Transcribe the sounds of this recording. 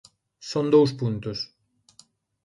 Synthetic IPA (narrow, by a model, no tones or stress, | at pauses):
sond̪ows̬punt̪us